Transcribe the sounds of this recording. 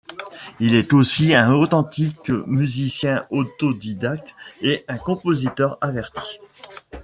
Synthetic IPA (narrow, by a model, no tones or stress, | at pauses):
ilɛt̪osiɛ̃ot̪ɑ̃t̪ikmyzisjɛ̃ot̪od̪id̪ak̚t̪eɛ̃kɔ̃pozit̪œʁavɛʁt̪ʰi̥